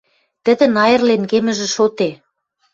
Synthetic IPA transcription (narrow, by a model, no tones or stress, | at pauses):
t̪ə̆d̪ə̆nɑjɤ̆rlenkemɘ̆ʒĕʃot̪e